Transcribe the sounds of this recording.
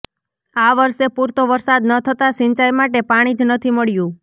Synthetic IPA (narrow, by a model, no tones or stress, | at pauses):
aʋəɾʃepuɾt̪oʋəɾsad̪nət̪ʰət̪aʃɪɲt͡ʃajmaʈepaɽ̃id͡ʒnət̪ʰiməɭjũ